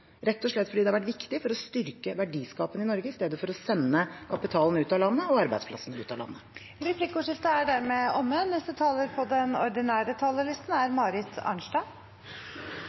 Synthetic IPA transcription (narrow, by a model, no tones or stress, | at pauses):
ɾɛt̪ːɔʂɭɛt̪ːfɔɖiːd̪ɛhɑʋæʈ̬ʋɪkt̪ɪfɔɾɔst̪ʏɾkəʋæɖiːskɑːpənɪnɔɾɡəɪst̪eːd̪əfɔɾɔsɛnːəkʰɑpɪt̪ʰɑːlnʉːt̪ɑlɑnːəɔɑɾbæɪd̪spʰlɑ̰sːənʉːt̪ɑlɑ̰nːə | ɾɛpʰlɪkːʊʂɪft̪əæɖæɾmeːɔmːənɛst̪ət̪ʰɑːləɾpʰɔd̪ɛnɔɾɖ̪ɪnæːɾət̪ʰɑːləlɪst̪n̩æɾmɑːɾɪt̪ʰɑ̰ːɳʂɖɑ